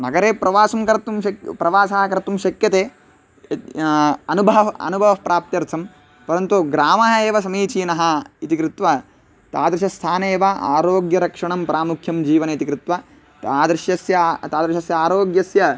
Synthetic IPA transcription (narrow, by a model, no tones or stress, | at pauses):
nɐɡɐɾeːpɾɐʋaːsɐmkɐɾt̪umɐkpɾɐʋaːsaːɦɐkɐɾt̪umʃɐkjɐt̪eː | ɐnubʱɐɦɐɐ̰nubʱɐʋɐpɾaːp̚t̪jɐɾt̪ʰɐm | pɐɾɐnt̪uɡɾaːmɐːɐeːʋɐsɐmiːt͡ʃiːnɐɦɐit̪ikɾɪt̪ʋɐ | t̪aːd̪ɾɪʃɐst̪ʰaːneːʋɐa̰ːɾoːɡjɐɾɐkʂɐɳɐmpɐɾaːmukʰjɐmd͡ʒiːʋɐneit̪ikɾɪt̪ʋɐ | t̪aːd̪ɾʃjɐsjɐt̪aːd̪ɐɾʃɐsjɐaːɾoːɡjɐsjɐ